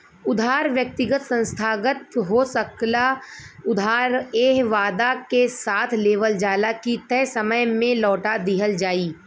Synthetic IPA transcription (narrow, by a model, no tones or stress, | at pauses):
ʊd̪ʱaːɾʋjək̚t̪ɪɡət̪sə̃nst̪ʰaːɡət̪̚ɦosəklaʊd̪ʱaːɾeːɦʋaːd̪akesaːt̪ʰleːʋəld͡ʒaːlakit̪ɛːsəməjmẽlɔːʈad̪iɦəld͡ʒaːiː